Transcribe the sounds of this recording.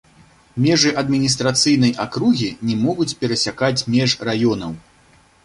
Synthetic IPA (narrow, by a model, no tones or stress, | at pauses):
mʲɛʐɨʔɐd̪mʲinʲist̪ɾat̪sɨjn̪ɐjʔakɾuɣʲinʲɛmɔɣut͡sʲpʲɛɾɐsʲakat͡sʲmʲɛʐrajɔnɐw